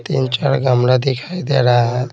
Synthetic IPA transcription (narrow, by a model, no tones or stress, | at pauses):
t̪ḭnt͡ʃaɽɡəmɽad̪ikʰajd̪eɾaɦət̪